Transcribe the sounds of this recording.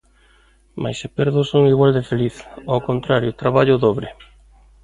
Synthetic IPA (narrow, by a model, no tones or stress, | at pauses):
ma̰jsepeɾðʊsoŋiɣwald̪ɪfeliθawkont̪ɾaɾjʊt̪ɾaβaʎʊðɔβɾɪ